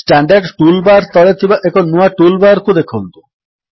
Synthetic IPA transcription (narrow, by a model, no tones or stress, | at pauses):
sʈaɳɖaɾɖʈulbaɾt̪ɔlet̪ʰibaʔekʰonuaʈulbaɾkʰud̪ekʰont̪u